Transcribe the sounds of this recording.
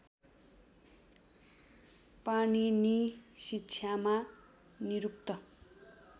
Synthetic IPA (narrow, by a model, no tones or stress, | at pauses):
paninisitːt͡sʰjama | niɾuk̚t̪ʌ